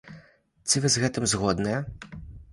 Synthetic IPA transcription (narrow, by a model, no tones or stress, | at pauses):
t̪sɨvɨzɣɛt̪ɨmzɣɔd̪nɐjɛ